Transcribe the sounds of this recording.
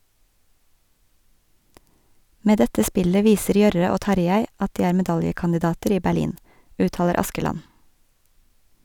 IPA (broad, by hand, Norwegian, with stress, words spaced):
ˈmeː ˈdɛtə ˈspɪlə ˈʋiːsəɾ ˈjœɾə ˈoː ˈtɑɾjæɪ ˈɑt ˈdiː ˈæːɾ mɛˈdɑljəkɑndɪˌdɑːtəɾ ˈiː bæˈɭiːn ˈʉːˌtɑːləɾ ˈɑskəlɑn